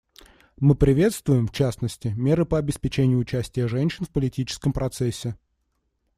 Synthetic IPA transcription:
mɨpɾʲɪvʲe̞t̪st̪vʊjɪmft͡ɕæsnəsʲtʲɪmʲe̞ɾɨpəɐbʲɪspʲɪt͡ɕenʲɪjʊːt͡ɕæsʲtʲɪjəʐɛnʲɕɪnfpəlʲɪtʲit͡ɕɪ̥skəmpɾɐt̪sɛsʲːɪ

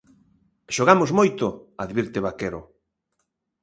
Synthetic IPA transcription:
ʃoɣ̞amozmojt̪ʊaðβiɾt̪eβakeɾo̰

